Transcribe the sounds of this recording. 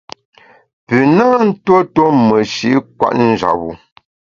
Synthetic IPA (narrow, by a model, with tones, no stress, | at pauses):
pʉ˨na˦n̩˦two˦to˦mə˨ʃi˨˦kwa̰˦ʔn̩˦d͡ʒa̰˨bu˨